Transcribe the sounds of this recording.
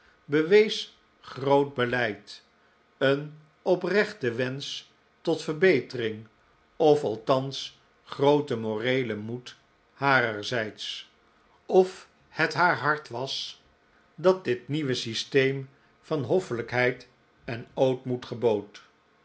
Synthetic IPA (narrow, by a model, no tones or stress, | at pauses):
bəʋejs | χrowd̚bəlɛjt | ən | ɔprɛχtəʋɛns | tɔtfəɹbejtərɪŋ | ɔfɑlˠtɑns | χrowtəmorejləmut | haːrəɹzɛjts | ɔf | hətɦaːɹɦɑɹtʋɑs | dɑt̚dɪtniʋəsistejm | vɑnɦɔfələkɦɛjt | ɛnowtmutχəbowt